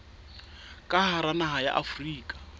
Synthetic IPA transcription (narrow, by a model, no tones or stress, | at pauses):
kʼaɦaɾanaɦaja̰ʔafriːkʼḁ